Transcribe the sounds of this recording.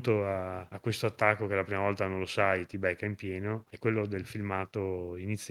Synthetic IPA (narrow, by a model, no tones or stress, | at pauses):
t̪oaːkːwest̪oat̪ːakːokelapɾiːmavɔlt̪anõnlosajt̪ibɛkːaimpjɛːnoɛkːwelːod̪elfilmaːt̪oinit̪sː